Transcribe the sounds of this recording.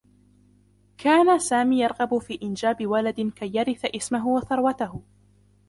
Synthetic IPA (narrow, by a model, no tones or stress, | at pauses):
kʰaːnasaːmiːjɑɾˤɣɑbʊfiːʔɪnd͡ʒaːbɪwalad̪ɪkajːaɾɪθaʔɪsmaɦʊwaθɑɾˤwat̪aɦʊ